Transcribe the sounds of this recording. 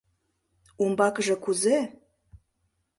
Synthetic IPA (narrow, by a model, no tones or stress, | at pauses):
umbɑkəʒɤ̆kuze